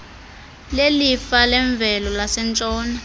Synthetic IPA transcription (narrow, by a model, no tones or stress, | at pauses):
lelifalɛɱb̪vʱɛlɔlasɛnt͡ʃʼɔːna